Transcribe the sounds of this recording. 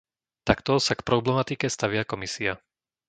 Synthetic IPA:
t̪akt̪ɔsakpɾɔblɛmat̪ikɛst̪aʋɪakɔmisia

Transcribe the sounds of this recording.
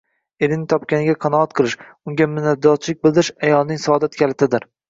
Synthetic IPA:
eɾɪnɪt̪ʰɒpkʲanɪɡʲaqʰɑnɒɑt̪qʰɨlˠɪʃ | ʊŋɡʲamʊnːad̪ɒt̪̚t͡ʃʰlɪk̚ʲbɪlˠd̪ɪɾɪʃajɒlˠnɪŋsɒɒd̪at̪kʲʰalɪt̪ʰɪd̪ɪɾ

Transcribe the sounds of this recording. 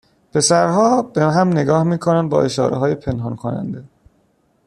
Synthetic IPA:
pʰe̞sæɾɦɒːbeɦæmne̞ɡɒːhmiːkʰonænd̪̚bɒ̰ːʔe̞ʃɒ̰ːɾḛɦɒːje̞pʰe̞nɦɒnkʰonæ̰nd̪e̞

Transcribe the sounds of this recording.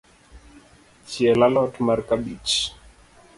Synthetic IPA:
t͡ʃiɛlalɔtmaɾkaɓit͡ʃ

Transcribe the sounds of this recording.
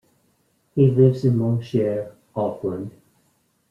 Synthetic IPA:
hilɪvzɨ̃nmɑ̃nʃɛɹ | ɔflə̃nd̥

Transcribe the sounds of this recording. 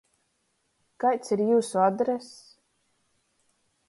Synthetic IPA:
kajt̪siɾjuːsuad̪ɾɛs

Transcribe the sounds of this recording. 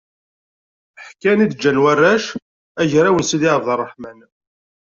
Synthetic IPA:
ħkænid̪d͡ʒːænwarːæʃ | æʝɾæwənsid̪iʕəvðərˤːəħmæn

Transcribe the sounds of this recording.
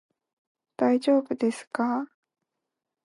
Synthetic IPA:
d̪̥aid͡ʑo̞ːbɯ̟d̪e̞sɨ̥ka

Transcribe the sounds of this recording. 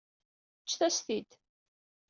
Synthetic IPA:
t͡ʃːθæsθid̪

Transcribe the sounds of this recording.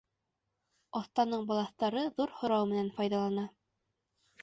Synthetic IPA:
ɒθt̪ɑnɤɴbɒlˠɑθt̪ɑɾɤðuɾhŏɾɑwmɘ̆nænfɑjðɑlˠɑnɑ

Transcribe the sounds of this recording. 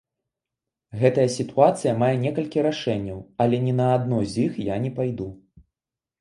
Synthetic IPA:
ɣɛt̪ɐjɐsʲit̪uat̪sɨjɐmajɛnʲɛkɐlʲkʲiɾaʂɛnʲːɐwɐlʲɛnʲɛnɐːd̪nɔzʲixjanʲɛpajd̪u

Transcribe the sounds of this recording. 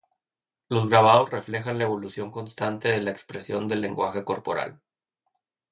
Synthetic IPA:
lo̞zɣɾaβ̞að̞o̞sre̞fle̞xanlae̞βo̞lusjo̞ŋko̞nst̪ant̪e̞ðe̞laekspɾe̞sjo̞nd̪e̞lːe̞ŋɡwaxe̞ko̞ɾpo̞̰ɾa̰l

